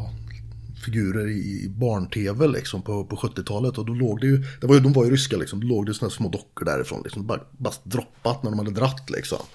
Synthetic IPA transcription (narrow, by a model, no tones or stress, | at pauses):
ɑ | fɪɡʉ̟ːɾəɾɪ̰bɑːɳʈʰeːvəlʔɪ̰ksɔmpʰɔpʰɔɧɵt̪ːɪt̪ʰɑːlət̪ɔd̪ɔloːɡd̪ɛjɵd̪̥ɛvaɾjʏd̪ɔmvaɾjɵɾʏskalɪksɔmd̪ɔloːɡ̚d̪ɛjsɔnaæːsmoːd̪ɔkːəɖæ̰ɾɪ̰fɾo̰ːnɪksɔmd̪ɛbɑːɾabast̪̚d̪ɾɔpːat̪næɖɔmhad̪əd̪ɾat̪ːlɪ̰ksɔ̰m